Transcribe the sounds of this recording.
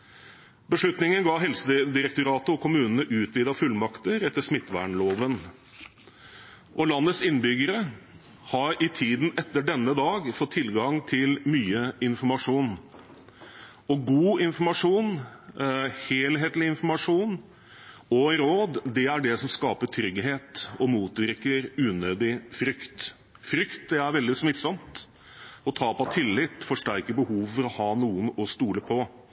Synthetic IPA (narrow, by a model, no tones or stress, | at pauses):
bəʂɭʉt̪nɪŋənɡɑːɦɛlsəd̪ɪɾɛkt̪ʊɾɑːt̪əɔkʰʊmʉːnən̩əʔʉːt̪ʰʋiːd̪ɑfʉlmɑkt̪əɾɛt̪ːəʂmɪt̪ːʋæ̰ːɳɭoːʋən | ʔɔlɑnːət̪sɪnːbʏɡəɾə | hɑɾɪt̪ʰiːd̪n̩ɛt̪ːəɖɛnːəd̪ɑːɡfɔt̪ʰːɪlɡɑŋt̪ʰɪlmyːəɪnfɔmɑʂuːn | ɔɡuːɪnfɔmɑʂuːn | heːlɦeːt̪lɪɪnfɔɾmɑʂuːn | ɔɾoːd̪d̪ɛæɖɛsɔmskɑːpəʈʰɾʏɡɦeːt̪ɔmuːt̪ʋɪɾkəɾʉːnøːd̪ɪfɾʏkt̪ | fɾʏkt̪̚d̪ɛæɾʋɛld̪ɪsmɪt̪sɔmt̪ | ɔt̪ʰɑːpɑt̪ʰɪlːɪt̪ːfɔʂʈæɾkəbəhuːʋfɔɾɔhɑːnuːənɔst̪uːləpʰɔ